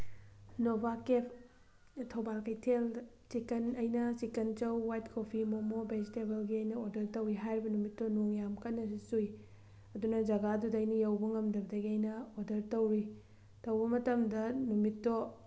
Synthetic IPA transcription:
nobʱakep̚ʰ | tʰɐwbalkɐjtʰel | t͡ʃikɐnɐjnɐt͡ʃikent͡ʃɐwːajtkʰopʰimomobʱed͡ʒitebelɡiɐjnɐodɐɾtɐwiɦajɾibɐnumitːonoŋjamkɐnːɐsisuj | ɐdunɐd͡ʒɐɡadudɐɐjnɐjɐwbɐŋɐmdɐbɐdɐɡiɐjnɐodɐɾtɐwɾi | tɐwbɐmɐtɐmdɐnumitːo

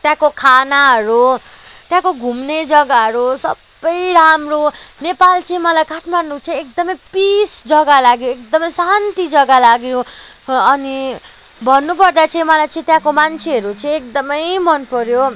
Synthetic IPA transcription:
t̪jãkokʰanaɦʌɾut̪jãkoɡʱumned͡zʌɡaɦʌɾusʌ̰bːʌjɾamronepalt͡sʌĩmʌlajkaʈʰmanːut͡sʌ̃ĩekd̪ʌmʌjpisd͡zʌɡalaɡjoek̚d̪ʌmʌjsant̪id͡zʌɡalaɡjõ | ʌni | bʱʌnːupʌrd̪at͡sʌĩmʌlajt͡sʌ̃ĩt̪jãkomant͡sʰeɦʌɾut͡sʌĩek̚d̪ʌmʌjmʌnpʌɾjo

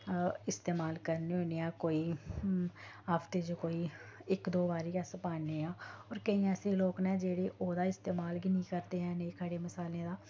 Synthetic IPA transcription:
ɪst̪eːmaːlkəɾneːɦoːneːaːkoːiː | aːft̪eːd͡ʒoːkoːiːɪkd̪oːbaːɾiːkɛːsəpaːneːãːɔːɾkəĩːɛːseːloːknɛ̃ːd͡ʒeːɽeːʔoːd̪aːɪst̪eːmaːlɡiːnĩːkəɾt̪eːɦɛ̃ːnẽːkʰəɽeːməsaːlẽːd̪aː

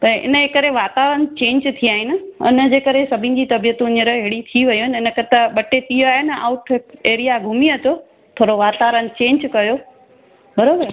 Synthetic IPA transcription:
t̪ɐʔɪ̰nəekɐɾeʋaːt̪aːʋɾənɪt͡ɕẽːɲd͡ʑt̪ʰiaːɦɪnɪ̆ʊ̰nə̆d͡ʑeːkɐɾesɐbʱɪ̃nɪ̆d͡ʑiːt̪ɐbijət̪ũɲɪɾəɦeɽit̪ʰiʋɐjoɦɪnɪnəkɐt̪ɐɓɐʈet̪ioaːɦɪnɪa̰ːʊʈʰkeːɾijaɡʱʊmiət̪ʰo | t̪ʰoːɾoʋaːt̪aːʋɾənɪ̆t͡ɕẽːɲd͡ʑkɐjo | bɐɾoːbəɾ

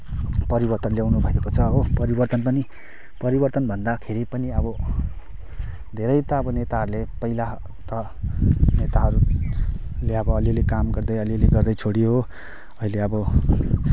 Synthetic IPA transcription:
pʌɾibʌrt̪ʌnljawnubʱʌekot͡sʰʌːbʌpʌɾibʌrt̪ʌnpʌni | pʌɾibʌrt̪ʌnbʱʌnd̪akʰeɾipʌniʌbʌ | d̪ʱeɾʌjt̪ʌʌbʌnet̪aɦʌɾulepʌila | t̪ʌ | net̪aɦʌɾu | leʌbʌːliolekamɡʌrd̪ʌjʌliʌleɡʌrd̪ʌjt͡sʰoɽiɦo | ʌileʌbʌ

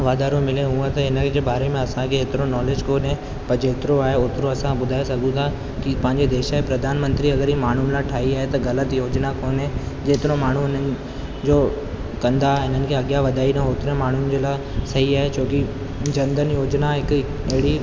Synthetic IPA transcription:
ʋaːd̪ʱaːɾõmɪleɦũat̪ɐɦɪnəd͡ʑeːbaːɾemẽɐsãkʰeɦɪt̪ɪɾonɔːleːd͡ʑkoːnɦẽ | pɐɾd͡ʑeːt̪ɪɾoaːɦeʊt̪ɪɾoɐsãbʊd̪ʱaːesɐɡʱũt̪ʰa | kipɐ̃ɦɪ̃ɲd͡ʑed̪eːʃaɦepɾɐd̪ʱaːnmə̃nt̪ɾiɐɡəɾɦimaːɳ̤unlaʈʰaːiaːɦet̪ɐɣɐlət̪joːd͡ʑnakoːnɦẽ | d͡ʑeːt̪ɪɾõmaːɳ̤uɪn̤ənɪ̆ | d͡ʑoː | kɐ̃nd̪aɦɪn̤ənɪ̆kʰeɐɠjaʋɐd̪ʱaːinɐɦoːt̪ɾẽmaːɳ̤ʊnɪ̆d͡ʑeːlaː | sɐɦiaːɦet͡ɕoːki | d͡ʑɐ̃nd̪ʱənjoːd͡ʑnaɦɪk | ɐɦɪɽi

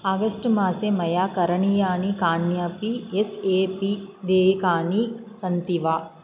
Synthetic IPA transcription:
aːɡɐsʈmaːsemɐjaːkɐɾɐɳijaːnikaːɳjaːpieseːpid̪eːkaːnisɐnt̪iʋaː

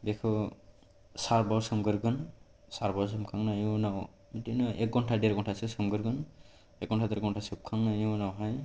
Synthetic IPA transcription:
bekʰɯ | saɾbawsɯmɡɯɾɡɯn | saɾbaws̬ɯmkʰaŋnajunaw | itinɯʔɛk̚ɡɔntʰadeɾɡɔntʰasɯsɯmɡɯɾɡɯn | ɛk̚ɡɔntʰadɯɾɡɔntʰasɯp̚kʰaŋnajunawɦaj

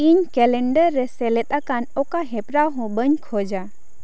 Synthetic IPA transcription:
iɲkɛlɛɳɖəɾːɛsɛlɛt̪̚ʼˀakanɔkaɦɛpɾawɦɔ̃bəɲkʰɔd͡ʒa

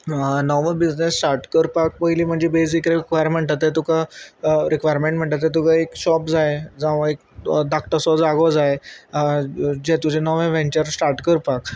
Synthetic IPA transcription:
nɔʋəbid͡znesːʈaɾʈkəɾpak̚pəjliːm̤əɳd͡zebes̬ikɾekʋajəɾməɳʈ̪at̪ːet̪ukaɾikʋajɾmẽɳʈm̤əɳt̪at̪̬et̪̬ukaekɕɔpd͡zaed͡zãʋəek̚ | d̪akʈ̪əsɔd͡zaɡɔd͡zaj | d͡ʑẽt̪ud͡ʑʱenɔʋẽʋẽɲt͡ɕəɾsʈaɾʈkəɾpak

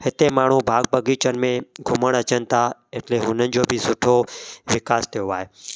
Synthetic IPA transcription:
hɪt̪emaːɳ̤ũbʱaːɡ̚bɐɡiːt͡ɕənɪ̆mẽɡʱʊməɽ̃ɐt͡ɕənɪ̆t̪ʰaɪʈleɦʊnənɪ̆d͡ʑoːbʱɪsʊʈʰoʋɪkaːst̪ʰijoaːɦeː

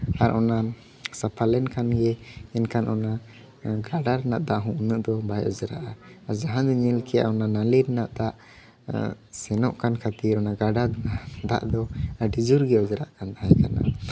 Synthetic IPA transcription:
aɾɔna | sapʰalɛnkanɡɛɛnkanʔɔna | ɡaɖaɾnaʔd̪aʔɦɔ̃unəʔd̪ɔbajɔ̰d͡ʒɾa̰ʔaaɾd͡ʒaɦãd̪ɔɲɛlkʰɛja̰ɔnanaliɾɛnaʔt̪aʔ | sɛnɔʔkankʰat̪iɾɔnaɡaɖadaʔd̪a̰ʔd̪ɔɖid͡ʒuɾɡɛɔd͡ʒɾa̰ʔkand̪aɦaɛ̃kana̰

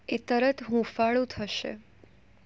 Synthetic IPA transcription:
et̪əɾət̪ɦũfaɭũt̪ʰəʃḛ

